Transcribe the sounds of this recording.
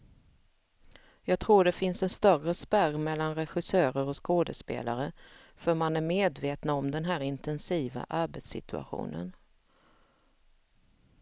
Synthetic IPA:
jɑːɡ̚t̪ʰɾuːɖɛfɪnsɛnst̪œrəspæɾmɛlːanɾɛɧɪsøːɾəɾɔskoːd̪əspḛːlaɾə | fœɾmanæɾmeːd̪veːt̪naɔmd̪ɛnɦæːɾɪnt̪ʰɛnsiːva̰ʔaɾbɛt̪sɪ̰t̪ɵa̰ɧṵːnə̰n

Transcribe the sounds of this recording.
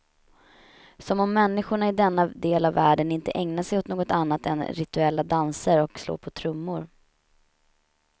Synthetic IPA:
sɔmɔmːɛnːɪɧʊɳaɪd̪ɛnːad̪eːlavːæːɖənɪnt̪əʔɛŋnaʂɛjʊt̪noːɡɔt̪anːat̪ɛ̰nɾɪt̪ɵɛlːad̪ansəɾɔkslo̰ːɾpʰɔt̪ʰɾɵmːʊɾ

